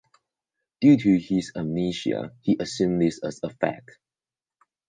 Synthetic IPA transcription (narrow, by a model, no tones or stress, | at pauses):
d̥jutʰuhizəmniʃiə̰hiʔəsũmðɪsəzəfɛ̰k̚